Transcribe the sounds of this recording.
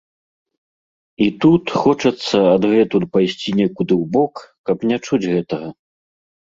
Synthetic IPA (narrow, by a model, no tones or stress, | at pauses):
it̪ut̪xɔt͡ʂɐt̪sːɐɐd̪ɣɛt̪ut̪pajsʲt͡sʲinʲɛkud̪ɨwbɔkkɐpnʲat͡ʂud͡zʲɣɛt̪ɐɣɐ